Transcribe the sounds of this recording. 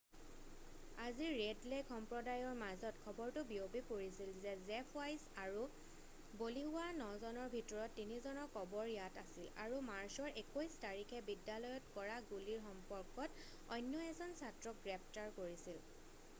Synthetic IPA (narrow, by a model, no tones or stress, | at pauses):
aziɹːedlekʰɔmpɹɔdajɔɹmazɔtkʰɔbɔɹtʊbiobipoɹisilzɛzɛpʰajsaɹu | boliɦʊwanɔzɔnɔɹbʱitɔɹɔtːinizɔnɔkɔbɔɹjatasila̰ɹumaɹsɔɹʔekojstaɹikʰɛbidːalɔjɔtkɔɹaɡuliɹxɔmpɔɹkɔt | ɔ̰jnːɔɛzɔnsatɹɔk̚ɡɹɛpʰtaɹkoɹisil